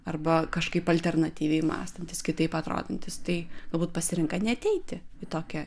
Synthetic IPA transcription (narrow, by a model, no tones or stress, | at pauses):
ɐrbɐkɐʃkɐɪpɐlʲt̪ʲɛrnɐt̪ʲiːʋʲɛɪmɑ̰ːst̪ɐnʲt̪ʲɪskʲɪt̪ɐɪpɐt̪ɾo̰ːd̪ʲɐnʲt̪ʲɪst̪ɐɪɡ̥ɐlˠbuːt̪̚pɐsʲɪɾʲɪŋkɐnʲɛɐt̪ʲɛɪt̪ʲɪɪt̪oːkʲɛ